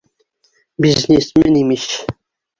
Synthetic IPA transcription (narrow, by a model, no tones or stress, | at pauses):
biznʲesmɘnimiɕ